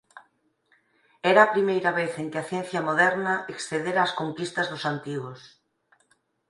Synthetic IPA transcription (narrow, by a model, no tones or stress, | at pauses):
ɛɾɐːpɾimejɾɐβeθeŋkɪɐθjɛ̃n̟θjɐmoðɛɾnɐʔeksθeðeɾaːskoŋkist̪ɐzðʊsant̪iɣʊs